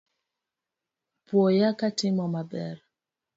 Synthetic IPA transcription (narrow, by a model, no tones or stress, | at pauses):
pwɔjakatɪmɔmabɛ̰ɾ